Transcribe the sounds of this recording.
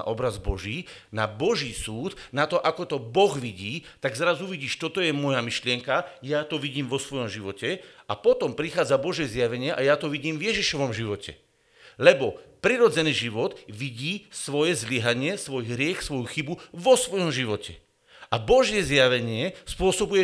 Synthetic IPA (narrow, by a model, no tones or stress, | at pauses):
ʔɔbɾazbɔʒiːnabɔʒiːsuːt̪nat̪ɔʔakɔt̪ɔbɔɣʋiɟiːt̪aɡzɾazuʋiɟiːʃt̪ɔt̪ɔjɛmɔjamiʃlɪɛŋkajat̪ɔʋiɟiːmʋɔsʋɔjɔmʒiʋɔcɛapɔt̪ɔmpɾixaːd͡zabɔʒɪjɛzjaʋɛɲɪɛʔajat̪ɔʋiɟiːmvjɛʒiʃɔʋɔmʒiʋɔcɛ̰ | lɛbɔpɾiɾɔd͡zɛniːʒiʋɔt̪ʋiɟiːsʋɔjɛzliɦaɲɪɛsʋɔjɦɾɪɛxsʋɔjuxibuʋɔsʋɔjɔmʒiʋɔcʰɛ̰ | ʔabɔʒɪjɛzjaʋɛɲɪɛspʊɔsɔbujɛ